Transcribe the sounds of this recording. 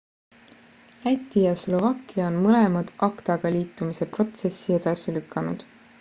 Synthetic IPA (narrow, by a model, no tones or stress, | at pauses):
æt̪ʲːˑijɑslo̞vɑkːˑiɑonmɤle̞mɑd̪̥ʔɑkt̪ɑɡ̥ɑliːt̪ːˑumise̞pro̞t̪se̞sːie̞d̪̥ɑsilykːˑɑnud̪̥